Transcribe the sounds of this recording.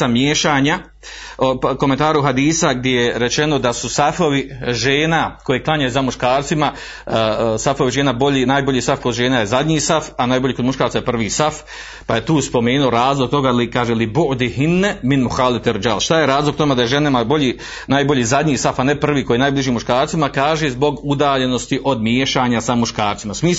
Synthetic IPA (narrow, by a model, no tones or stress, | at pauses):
amjeːʃaːɲa | oko̞ment̪aːɾuɦad̪iːsaɡ̚d̪jejeɾe̞t͡ʃe̞no̞d̪asusafoʋiʒeːnako̞jeklˠaɲajuzamuʃkaːɾt̪sima | safo̞ʋiʒe̞ːnaboʎinaːjbo̞ʎiːsafko̞d̪ʒe̞ːnajezad̪ɲiːsafanaːjboʎiːkod̪muʃkaːɾt̪ajepr̩ʋiːsaf | paje̞t̪uːspo̞meːnuoɾaːzlˠoɡ̚t̪o̞ɡaːlikaːʒelibuʔd̪iɦinːeminmuxalit̪eɾd͡ʒalʃt̪ajeɾaːzlˠoɡ̚t̪omed̪ajeʒenamaboʎiː | naːjbo̞ʎiːzad̪ɲiːsafanepr̩ʋiːkojiːnaːjblˠiʒiːmuʃkaːɾt̪simakaːʒezbo̞ɡud̪aːʎe̞no̞st̪iʔo̞d̪mjeʃaːɲasamuʃkaːɾt̪simasmiː